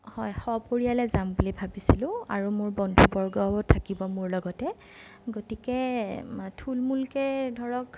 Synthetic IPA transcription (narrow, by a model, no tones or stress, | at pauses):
hɔjxɔpoɹijalɛzambulibʱabisilʊ̃a̰ɹumʊɹbɔndʱubɔɹɡɔɔtʰakibɔmʊɹlɔɡɔtɛ | ɡotikɛ | tʰulmulkɛdʱɔɹɔk